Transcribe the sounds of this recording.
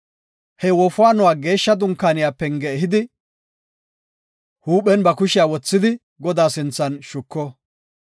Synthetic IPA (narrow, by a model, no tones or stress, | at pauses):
hɛwɔfʊwaːnɔwaːɡe̞ːʃːɐd̪ʊŋkːaːnɪjaːpːɛŋɡɛɛɦɪd̪ɪ | huːpːɛnbɐkʊʃɪjaːwɔt͡sːɪd̪ɪ | ɡɔd̪aːsɪnt͡sːɐnʃʊkːɔ